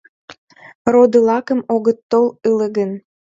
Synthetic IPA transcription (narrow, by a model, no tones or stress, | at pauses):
rod̪əlɑkəmoɣət̪ːolələɣən